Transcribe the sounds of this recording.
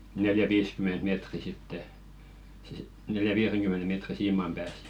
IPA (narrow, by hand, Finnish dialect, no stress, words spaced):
neljæʋiːskyment meˑtri sitːe neljæʋiːreŋkymːene meˑtri siːmɑm pæːs